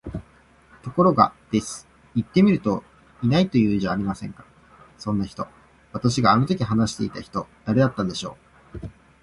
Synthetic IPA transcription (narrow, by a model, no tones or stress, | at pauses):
t̪o̞ko̞ɾo̞ɡa̰d̪̥e̞sɨ̥ | it̪ːe̞mʲiɾɯ̟t̪o̞ | inait̪o̞jɯ̟ːiʑaːɾʲimasẽ̞ŋkḁ | sõ̞nːaçi̥t̪o̞ | βat̪aɕiɡaːno̞t̪okʲiɦanaɕi̥t̪e̞̰it̪açi̥t̪o̞d̪̥aɾe̞d̪at̪ːãnd̪e̞ɕo̞̰ː